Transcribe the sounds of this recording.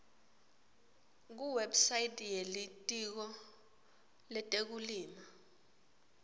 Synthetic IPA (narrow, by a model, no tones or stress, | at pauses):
k̬uwebsajitʼjelitʼik̬ɔ | lɛtʼek̬uliːma